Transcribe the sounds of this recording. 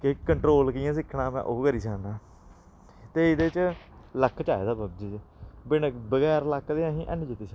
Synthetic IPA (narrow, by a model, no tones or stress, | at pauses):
keːəɳʈɾoːlkiːãːsɪkʰːɳãːmɛ̰̃ːʔoːkəɾiːsaːnãː | t̪eːɪd̪eːt͡ʃləkʰːt͡ʃaːḛːd̪aːbəbd͡ʒiːd͡ʒbɪnbəɡɛːɾləkːd̪eːãːɦĩːʔə̰nd͡ʒɪt̪ːiːsa